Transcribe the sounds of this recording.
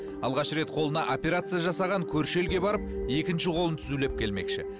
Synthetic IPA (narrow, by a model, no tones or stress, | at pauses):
ɑlˠʁɑʃɾe̞t̪qʰo̞lˠənɑʔo̞pʲe̞ɾat̪sɨjaʒɑsɑʁɑŋkʲʰɵɾʃe̞lɡʲe̞bɑɾəp̚e̞kʲɪnʃɪqʰo̞lˠənt̪ʰʏzule̞p̚kʲʰe̞lme̞̰kʃɪ̰